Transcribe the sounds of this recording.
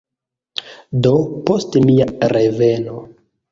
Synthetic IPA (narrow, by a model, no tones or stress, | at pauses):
do̞po̞stmiaɾeve̞no̞